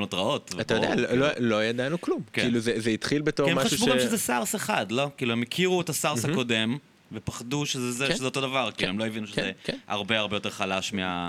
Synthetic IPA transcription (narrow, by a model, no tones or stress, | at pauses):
notʁao̞tvatajodea̰lololojad̪anuklumkeiiluzezeitχilbetoemaaʃubuɡamʃezesaʁseχadlo̞kiːluhemikʰiʁuetasaʁsako̞de̞m | vepaχaduʃezezeʃezeot̪o̞davaʁkiːuemlojevinuʃezekha̰ʁbe̞aʁbejote̞ʁχalaʃmea̰